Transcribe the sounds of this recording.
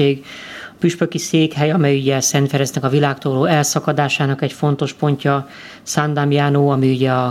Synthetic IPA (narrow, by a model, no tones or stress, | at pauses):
eːɡɒpyʃpøkiseːkɦɛjɒmɛjyɟɛsɛnt̪fɛɾɛznɛkɒvilaːkt̪oːloːɛlsɒkɒd̪aːʃaːnɒkɛcfo̞n̪t̪o̞ʃpo̞ɲcɒ | sand̪amjaːnoːɒmiyɟɛɒ